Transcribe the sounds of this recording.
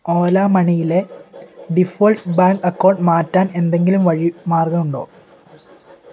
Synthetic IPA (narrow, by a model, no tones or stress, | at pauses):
oːlaːmɐɳijile̞ɖifoːlʈbaːŋkɐkːoːrɖmaːtːaːne̞nd̪e̞ŋɡilumʋɐɻimaːrɡɐmuɳɖoː